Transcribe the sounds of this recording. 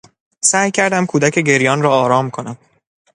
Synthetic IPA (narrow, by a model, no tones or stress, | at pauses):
sæːjcʰæɾd̪æmkʰuːd̪æcʰe̞ɟe̞ɾjɒːnɾɒːɾɒːmkʰo̞næm